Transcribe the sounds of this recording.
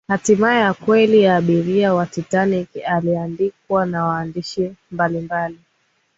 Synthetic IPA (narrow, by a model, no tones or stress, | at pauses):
hatimaɛjakwɛlijaːɓiɾiawatitanikaliandik̚wanawaːndiʃimbalimbali